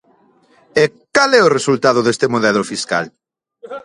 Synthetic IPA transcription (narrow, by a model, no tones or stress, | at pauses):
ekalɛʊresult̪aðʊðest̪emoðɛlʊfiska̰l